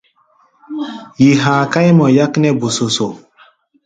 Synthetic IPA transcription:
ji˨ɦaː˨ka˦jmɔ˨ja˦knɛ˦bo˨so˨so˨

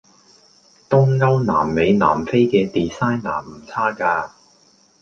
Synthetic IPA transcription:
t̪ʊ˥ŋŋɐ˥wna̰ː˨˩mle˨˧jna̰ː˨˩mfe˥jkɛː˧t̪iː˨saː˥jnaː˨˩m̩˨˩t͡sʰaː˥kaː˧

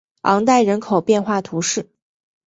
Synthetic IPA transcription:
ɑ˧˥ŋt̪a˥˩ɪɻə˧˥nkʰo˨˩ʊpjɛ˥˧nxwa˥˩t̪ʰu˧˥ʂɻ̩˥˩

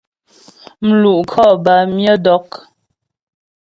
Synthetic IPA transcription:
m̩˨lu˨ʔkʰɔ˦˨ba˨mjɔ˦dɔ˨˦k

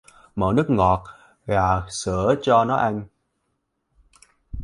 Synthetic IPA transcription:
mə̰ː˧˩nɨ˦˥ək̚ŋɔ˨˩t̚ | ɣaː˨˩sɨ̰˧˩˨ət͡ɕɔ˧nɔ˨˦ʔa˧ŋ

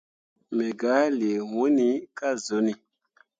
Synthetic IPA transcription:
mɛ˨ɡa˨˦le˨wũ˦ni˦ka˦zo˨˦ni˨

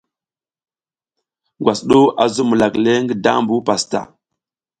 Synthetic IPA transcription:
ɡwa˨sɗo˦ʔa˨zu˦mu˨la˨kle˦ŋɡə˦da̰˦mbu˦pa˨sta̰˨

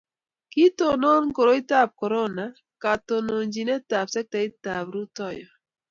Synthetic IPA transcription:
ki˦to˨nɔ˦nko˨ɾo˦i˦ta˦˨p̚kɔ˨ɾo˦˨na˨ | ka˨to˨no˨nd͡ʒi˨nɛ˦ta˨bsɛ˦k̚ta˨˦i˦ta˨bɾu˦tɔ˦˨jɔ˨

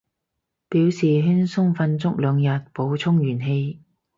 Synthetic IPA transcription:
piː˨˥wsiː˨ɦy˥nsʊ˥ŋfɐ˧nt͡sʊ˥k̚lœː˨˧ŋjɐ˨t̚po˨˧wt͡sʰʊ˥ŋjyː˨˩nɦe˧j

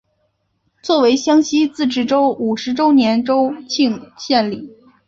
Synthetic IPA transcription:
t͡swɔ˥˩we˧˥ɪɕjɑ˥ŋɕi˥t͡sɹ̩˥˩ʈ͡ʂɻ̩˥˩ʈ͡ʂo˥ʊu˨˩ʂɻ̩˧˥ʈ͡ʂo˥ʊnjɛ˧˥nʈ͡ʂo˥ʊt͡ɕʰi˥˧ŋɕjɛ˥˩nli˨˩˦

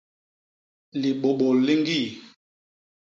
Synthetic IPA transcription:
li˨ɓo˨ɓo˨li˦ŋ˦ɡi˦˨

